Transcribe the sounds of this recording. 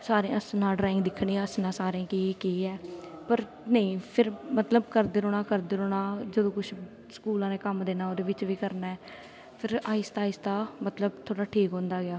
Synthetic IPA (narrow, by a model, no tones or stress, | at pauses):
saːɾẽəsnãːɖɾaːɪ̃ŋɡd̪ɪkʰːɽiːãːəsnãːsaːɾẽːkeeːkeːɛːpəɾ | nəĩːpʰɪɾmət̪ləbkəɾd̪eːɾoːɽãːkəɾd̪eːɾoːɽaːd͡ʒəd̪õːkʊt͡ʃʰ | sə̥kuːlãːnẽːkəmd̪eːnaːoːd̪eːʋɪt͡ʃʋiːkəɾnaːɛː | pʰɪɾaːɪst̪aːɪst̪aːmət̪ləb̚t̪ʰoːɽaːʈʰiːkɦõːnd̪aːɡɪaː